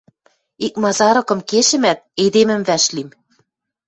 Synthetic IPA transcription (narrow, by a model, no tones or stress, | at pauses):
ik̚mɑzɑɾɤ̆kɤ̆mkeʃɘ̆mæt̪̚ed̪emɘ̆mvæʃlim